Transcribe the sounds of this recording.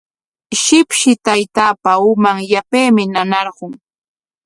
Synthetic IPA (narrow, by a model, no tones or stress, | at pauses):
ʃɪpʃɪt̪ajt̪aːpaʊmaŋjapejmɪnanɑɾɢʊŋ